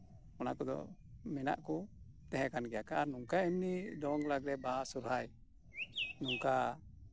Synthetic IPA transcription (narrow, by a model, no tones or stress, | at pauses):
ɔna̰kɔd̪ɔ̰mɛna̰ʔkɔ | t̪ɛɦɛkanɡɛjakaːɾnuŋkainːid̪ɔŋlaɡɾɛbasuɾhaj | nuŋka